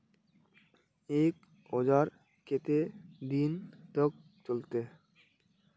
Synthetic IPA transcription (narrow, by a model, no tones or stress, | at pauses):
ek | ɔd͡ʑaɾ | ket̪ed̪int̪ok̚ | t͡ɕolt̪e